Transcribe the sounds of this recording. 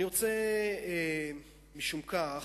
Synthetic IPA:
iʁot͡se | miʃumkaχ

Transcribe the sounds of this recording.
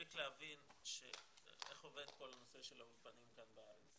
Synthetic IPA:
iklehavinʃḛ | eχo̞ved̪ko̞lano̞se̞ʃelaulfanimkanbeaʁet͡s

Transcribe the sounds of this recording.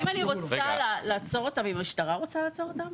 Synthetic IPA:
imaniʁot͡salalaːt͡so̞ʁot̪amimaʃtaʁaʁo̞t͡salaːt͡so̞ʁotam

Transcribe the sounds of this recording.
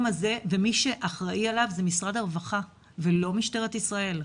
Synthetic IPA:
maze̞ve̞miʃe̞ʔaχʁaʔialavzemisʁad̪aʁvaχa | velo̞miʃte̞ʁ̞et̪isʁae̞l

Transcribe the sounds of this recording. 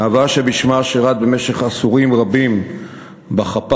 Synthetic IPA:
avaʃebiʃmaʃeʁat̪̚bemeʃe̞χasuʁimʁabim | baχap

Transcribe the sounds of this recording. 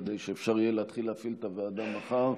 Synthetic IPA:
d̪ejʃeefʃaʁijeleat̪χileafilt̪avead̪amaχaʁ

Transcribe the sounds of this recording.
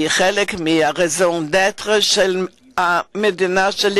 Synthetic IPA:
ɪχɛlɪkmɪaʁɛzondɛtʁəʃɛl | amɛdɪnaʃɛl

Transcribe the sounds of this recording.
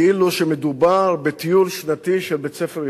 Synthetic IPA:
iluʃemed̪ubaʁbet̪ijulʃnat̪iʃelbet͡sefeʁj

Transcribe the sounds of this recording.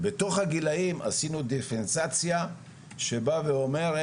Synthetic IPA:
beto̞χhaɡilaimʔa̰sinud̪efensat͡sja | ʃe̞baveo̞me̞ʁ

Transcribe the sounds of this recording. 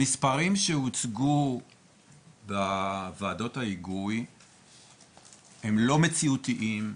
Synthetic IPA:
mispaʁimʃeut͡sɡu | bavaːdo̞thaiɡuj | hemlo̞me̞t͡siutiʔim

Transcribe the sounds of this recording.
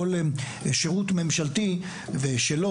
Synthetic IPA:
ol | ʃeʁutme̞mʃalti | veʃelo

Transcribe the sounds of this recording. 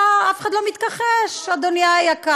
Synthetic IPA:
afexχadlomit̪kaχeʃad̪onjajaka

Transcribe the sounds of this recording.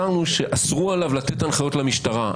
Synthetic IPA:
aʁnuʃe̞ʔasʁualavlat̪e̞tanχajo̞tlamiʃtaʁa

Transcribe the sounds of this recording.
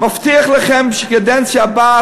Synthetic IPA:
maftiəχlˠəχɛmʃɪkədɛnsabaː

